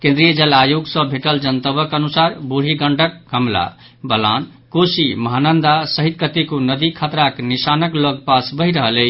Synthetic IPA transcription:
kẽnd̪ɾijəd͡ʒəlajuɡsə̃bʱeʈəld͡ʒənt̪əβəkənusaɾbuɾ̤iɡəɳɖəkkəmla̰ | bəla̰n | kosiməɦanənd̪asəɦit̪̚kət̪ikunəd̪ikʰat̪ɾaknisanəkləɡpasbəɦiɾəɦələ

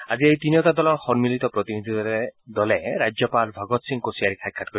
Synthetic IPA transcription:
aziejt̪iniɔtad̪ɔlɔɹxɔnmilit̪ɔpɾɔt̪inid̪ʱid̪ɔɾɛd̪ɔlɛɾajd͡ʒjɔpalbʱaɡɔt̪siŋkosijaɾikʰaj̚kʰːat̚kɔɾi

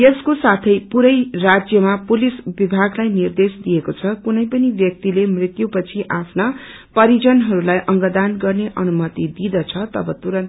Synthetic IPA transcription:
jeskosat̪ʰʌjpuɾʌjrad͡zjʌmapulisbibʱaɡlajnird̪esd̪ijekot͡sʰʌkunʌjpʌnibjʌk̚t̪ilemrit̪jupʌt͡sʰiʔapʰnʌ | pʌɾid͡zʌnɦʌɾulajʔʌŋɡʌd̪anɡʌrneʔʌnumʌt̪id̪id̪ʌt͡sʰʌt̪ʌ̰bʌt̪uɾʌn

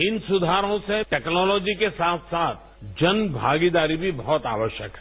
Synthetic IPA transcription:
ɪnsʊd̪ʱaːɾõseʈɛːknɔːlɔːd͡ʒikesaːt̪ʰsaːt̪̚ʰ | d͡ʒɐnbʱa̰ːɡid̪aːɾibʱibɔɦɔt̪a̰ːʋəʃjə̰kɦɛ

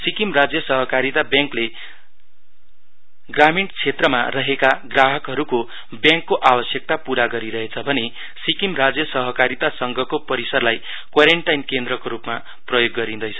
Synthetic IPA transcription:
sikimrad͡zjʌsʌɦʌkaɾit̪abjãŋkle | ɡramiɳʈt͡sʰet̪rʌma̰rʌɦekaɡraɦʌkɦʌɾuko | bjãŋkːoʔabʌsjʌk̚t̪apuɾaɡʌɾiɾʌɦet͡sʰʌbʱʌne | sikimrad͡zjʌsʌɦʌkaɾit̪asʌŋɡʱʌkopʌɾisʌrlaj | kwaɾeɳʈajnkend̪ɾrʌkoɾupma | prʌjoɡːʌɾĩnd̪ʌjt͡sʰʌ

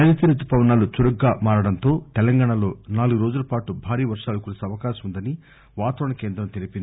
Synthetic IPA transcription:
ɐnɐt̪iɾɐt̪ːupɐʋɐnaːlut͡ʃuɾɐɡːaːmaːɾɐɽɐnt̪o̞ːt̪ɛlɐŋɡaːɳɐlo̞ːnaːluɡuɾo̞ːd͡ʒulɐpaːʈubʱaːɾiːʋɐɾʂaːlɐkuɾɐsiɐʋɐkaːʃɐmund̪ɐni | ʋaːt̪ɐʋɐɳɐke̞ːnd̪ɾɐmt̪elipini

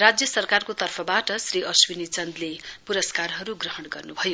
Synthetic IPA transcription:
rad͡zjʌsʌrkarkot̪ʌrpʰʌbaʈʌsriʔʌswinit͡sʌnd̪lepuɾʌskarɦʌɾuɡrʌɦʌɽɡʌrnubʱʌjo

